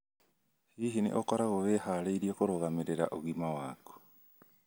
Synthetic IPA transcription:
hiɦinḛʔokoɾaɣoβeːhaɾeiɾiokoɾoɣameɾeɾa̰ʔoɣimawaːko̥

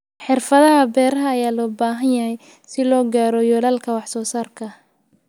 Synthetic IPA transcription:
ħɪrfɐðɐɦɐbɛːɾɐɦɐːjaːlɔːbaːɦɐnjɐɦɛj | sɪlɔːɡaːɾɔjɔːlɐːlkʰɐwɑħsɔːsaːrkʰɐ

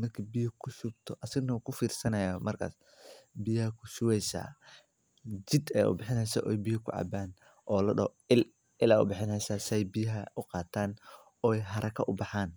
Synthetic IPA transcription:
mɐrkʰibijɐkʰʊʃʊɡ̚t̪ʰɔʔɐsɪɣnɐkʰʊfiːrsɐnɐjaːmɐrkʰa̰ːs | bɪjɐhɐkʰʊʃʊwɛjsa̰ː | d͡ʒɪd̪ɛ̰ːʔʊ̰bɪħɪnɛjsɐʔɔjbɪjɐkʰʊ̰ʕɑ̰baːn | ʔɔːlɐɖɐ̰w | ɪl | ɪlaːʊ̰bɪħɪnɛjsaːsɪɛjbɪjɐɦɐʔʊqɑːt̪ʰaːn | ɔːɛjɦɐɾʔɐkʰɐʔʊbɑħaːn

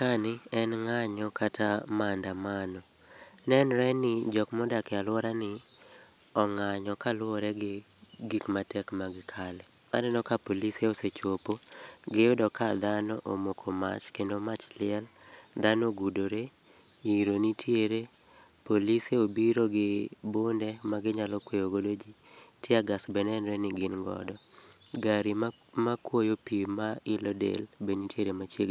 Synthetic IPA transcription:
kanɪɛnŋaɲɔkʰatamandamanɔ | nɛnɾɛnɪd͡ʒɔkmɔdakɛalwɔɾanɪ | ɔŋaɲɔkalwɔɾɛɡ | ɡikmatʰɛkmaɡɪkʰalɛ | ma̰dɪnɔkapoliseoset͡ʃopoɡɪʊdɔkad̪anɔʔomokʰoma̰t͡ʃkendomat͡ʃlɪɛl | d̪anɔɡudoɾe | iɾonitʰjeɾe | poliseobiɾoɡɪbondɛmaɡɪɲalɔkwejoɡodod͡ʒi | tʰjeaɡasbɛnɛnɾɛnɪɡɪnŋɡɔ̰dɔ | ɡaɾi | makwojopimaɪlɔdḛlbenitʰjeɾemat͡ʃjeɡ

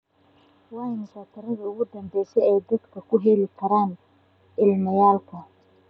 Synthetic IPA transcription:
wɑːjnɪsaːt̪ʰɐɾɐðɐʊɣʊd̪ɐmbɛjsɛjɛjd̪ɐd̪kʰɐkʰʊɦɛlɪkʰɐɾaːn | ɪlmɐjaːlkʰɐ

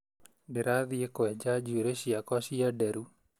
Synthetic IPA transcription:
beɾaðiekowɛd͡ʒad͡ʒuɾeʃiakɔʃiadɛɾu

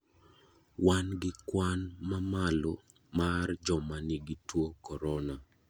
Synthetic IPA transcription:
wanɡɪkwanmamalo | mard͡ʒɔmaniɡitwokɔɾɔna

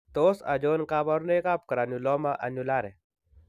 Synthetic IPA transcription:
t̪oːsa̰d͡ʒonkabaɾnekap̚kɐɾanulɔmaʔɐ̰nulaːɾe

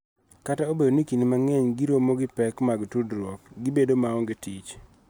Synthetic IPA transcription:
kataobedonikinimaŋɛɲɡiɾwomoɡɪpɛkmaɡtudɾwɔkɡɪbedomaɔŋɡetit͡ʃ

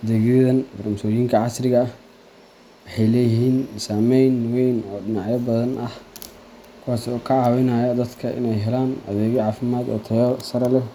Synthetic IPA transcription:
d̪ɛɡjɛðɐnbɐrɐmsɔːjiːŋkʰɐʕɑsrɪɣɐːh | wɑħɑjlɛːjɪɦiːnsaːmɛjnwɛjnɔːɖɪnɑʕjɐbɐðɐnʔɐh | kʰuwaːsɔːkʰɐʕaːwɛnaːjɐd̪ɐd̪kʰɐʔɪ̰nɛjɦɛlaːnʔɐ̰ðɛːɣɔʕaːfɪmaːd̪ɔ̰ːt̪ʰɐjsɐɾɐlɛ

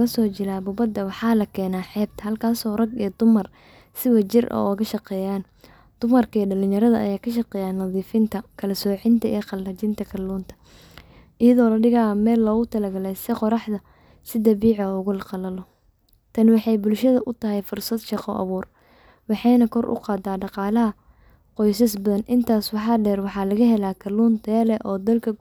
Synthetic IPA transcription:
ɣɐsɔːt͡ʃɪlaːbʊbɐd̪ːɐwɑħɑːlɐkʰɛːnaːħɛːb̚t̪ʰɐhɐlkʰaːsɔːrɐɡijɔd̪ʊmɐr | sɪwɐt͡ʃɪrʔɔ̰ɔɣɐʃɑqɛːjaːn | d̪̥ʊmɐrkʰɐiːɖɐlɪɲjɐɾɐðɐʔɐjaːkʰɐʃɑqɛːjaːnːɐðiːfɪnt̪ʰɐkʰɐlɐsɔːʕɪnt̪ʰɐʔiːqɑlːɐt͡ʃɪnt̪ʰɐkʰɐlːuːnt̪ʰɐ̥ | ʔɪjɐðɔːlɐɖɪɣaːmɛːlːɔːɣʊt̪ʰɐlɐɡɐlɛjsɪqɔɾɑħðɐ | sɪd̪ɐbiːʕɔʊɣʊlɐqɑlɐlɔ | t̪ʰɐnwɑħɑjbʊlʃɐðɐʔʊt̪ʰɐɦɛjfʊrsɐd̪ʃɑqɔ̰ʔɐ̰βuːr | wɑħɑjnɐkʰɔrʔʊ̰qɑːd̪aːɖɑqɑːlɐɦɐ | qɔjs̬ɐsbɐðɐnʔɪnt̪ʰaːswɑħɑːɖɛːrwɑħɑːlɐɣɐɦɛlaːkʰɐluːnt̪ʰɛːlɛʔɔːd̪ɐlkʰɐ

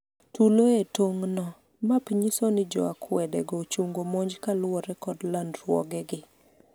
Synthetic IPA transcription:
tuloetoŋnɔ | mapiɲisonɪd͡ʒɔ̰akʰwɛdɛɡɔt͡ʃuŋɡomoɲd͡ʒkalwɔɾɛkɔdlandɾwɔ̰ɡɛɡɪ

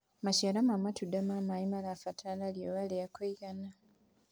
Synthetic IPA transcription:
maʃeɾamamatudamamaimalafatʰalaljoβalejakoiɡana

